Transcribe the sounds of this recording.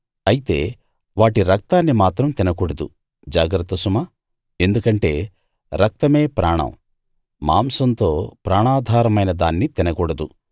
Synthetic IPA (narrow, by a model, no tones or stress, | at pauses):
ɐjit̪e̞̰ː | ʋaːʈiɾɐk̚t̪aːnːimaːt̪ɾɐmt̪inɐkuɽɐd̪u | d͡ʒaːɡɾɐt̪ːɐsuma | e̞nd̪ukɐɳʈe̞̰ː | ɾɐk̚t̪ɐme̞ːpɾaːɳɐ̰m | ma̰ːmsɐnt̪o̞ːpɾaːɳaːd̪ʱaːɾɐmɐjnɐd̪aːnːit̪inɐkuːɽɐd̪u